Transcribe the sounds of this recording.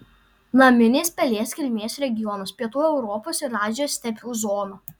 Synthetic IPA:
nɐmʲɪnʲeːspʲɛlʲeːsʲkʲɪlʲmʲeːsɾʲɛɡʲɪjɔnospʲiɛt̪uːɛʊɾɔpoːsɪɾɑːzʲɪjoːsʲt̪ʲɛpʲuːzɔːnuː

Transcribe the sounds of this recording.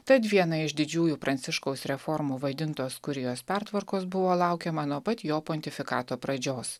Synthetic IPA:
t̪ɐt̪ʋʲiɛnɐɪʒd̪ʲɪd͡ʒʲuːjuːpɾɐnʲt̪ʲɪʃkoʊsɾʲɛfɔɾmuːʋɐd̪ʲɪnt̪oːskʊɾʲɪjoːspʲæɾt̪ʋɐɾkoːsbʊʋoːlˠɑˑʊkʲɛmɐnuɔpɐt̪joːpɔnʲt̪ʲɪfʲɪkɑːt̪oːpɾɐd͡ʒʲoːs

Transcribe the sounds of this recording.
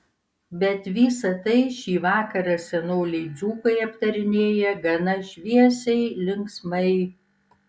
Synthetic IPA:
bʲɛt̪ʋʲiːsɐt̪ɐɪʃʲiːʋɑːkɐɾɐsʲɛnoːlʲɛɪd̪zʲuːkɐɪɐpt̪ɐɾʲɪnʲeːjɛɡɐnɐʃʲʋʲiɛsʲɛɪlʲɪŋksmɐɪ

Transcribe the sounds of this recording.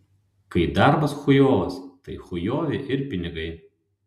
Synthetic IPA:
kɐɪd̪ɑɾbɐsxʊjoːʋɐst̪ɐɪxʊjoːʋʲeʔɪɾpʲɪnʲɪɡɐɪ

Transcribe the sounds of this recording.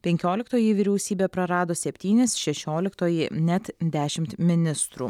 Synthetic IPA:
pʲɛŋʲkʲoːlʲɪkt̪oːjiʋʲiːɾʲɛʊsʲiːbʲeːpɾɐɾɑːd̪oːsʲɛpʲt̪ʲiːnʲɪsʃʲɛʃʲoːlʲɪkt̪oːjinʲɛt̪d̪ʲæːʃʲɪmt̪mʲɪnʲɪst̪ɾuː

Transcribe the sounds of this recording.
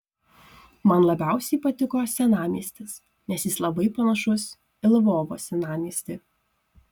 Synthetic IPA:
mɐnlˠɐbʲæˑʊsʲɛɪpɐt̪ʲɪkoːsʲɛnɑːmʲiɛsʲt̪ʲɪs | nʲɛsʲjɪslˠɐbɐɪpɐnɐʃʊs | ɪlˠʋoːʋo̰ːsʲɛnɑːmʲiɛsʲt̪ʲɪ

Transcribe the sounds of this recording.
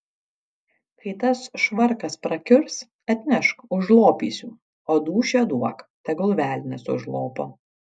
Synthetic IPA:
kʰɐɪt̪ɐsʃʋɐɾkɐspɾɐkʲʊɾs | ɐt̪ʲnʲɛʃkʊʒlˠoːpʲḭːsʲuː | oːd̪uːʃʲɛd̪uɔkt̪ʲɐɡʊlˠʋʲæːlʲnʲɛsʊ̰ʒlˠoːpoː

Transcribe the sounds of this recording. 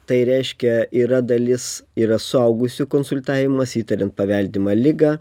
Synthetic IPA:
t̪ɐɪɾʲɛɪʃʲkʲɛiːɾɐd̪ɐlʲɪsiːɾɐsʊɐʊɡʊsʲʊkoːnsʊlʲt̪ɑːʋʲɪmɐsiːt̪ɐɾʲɛnt̪̚pɐʋʲɛlʲd̪ʲɪmɐlʲɪɡɑː

